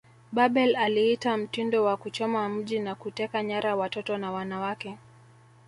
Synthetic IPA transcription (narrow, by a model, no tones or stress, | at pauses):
ɓaɓɛlalihitam̩tindɔwakut͡ʃɔmam̩ʄinakutɛkaɲaɾawatɔtɔnawanawakɛ